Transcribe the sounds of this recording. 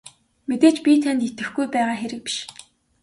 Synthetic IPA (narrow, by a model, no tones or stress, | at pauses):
met̪eːt͡ɕpʲit̪ʰænt̪it̪ɘ̆xɡujpæːʁaːxeɾɘ̆k̚pi̥ʃ